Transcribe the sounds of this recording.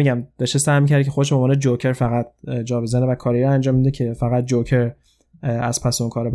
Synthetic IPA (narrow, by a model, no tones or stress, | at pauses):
iɡɟæmd̪̥ɒʃesæhmicʰæɾd̪icʰeo̞d̪eʃbeomvɔːned͡ʒocʰeɾfæɣæt̪̚d͡ʒɒːbezænevækʰɒːɾjɾænd͡ʒɒːmid̪ecʰe̞fæɣæt̪̚d͡ʒocʰeɾ | æz̥pʰæseunkʰɒːɾeb